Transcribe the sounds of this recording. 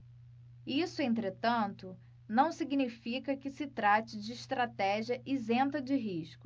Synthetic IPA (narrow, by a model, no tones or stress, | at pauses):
isʊẽnt̪ɾet̪ɐ̃nt̪ʊ | nɐ̃w̃siɡnifikɐkɪsɪt̪ɾat͡ʃɪd͡ʒɪːʃt̪ɾat̪ɛʒiɐʔizẽnt̪ɐd͡ʒɪɦiʃkʊ̥